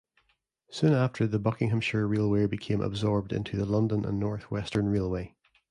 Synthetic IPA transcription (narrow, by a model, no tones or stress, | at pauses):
sʉ̃naftʰə˞ðəbʌkɪ̃ŋɦə̃mʃə˞ɹilˠwebɪkʰẽmʔə̰bzɔɹb̚dɪ̰̃ntʰʉðəlˠʌ̃ndə̃nʔə̰̃nːɔɹθwɛstʰə̃˞nɹelˠwe